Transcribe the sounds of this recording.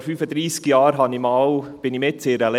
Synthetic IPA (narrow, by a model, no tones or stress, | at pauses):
ɾfyːfəd̪ɾiːskjɑːɾɦɑnimɑːwb̥ɪnimɪtt͡sɪːɾəle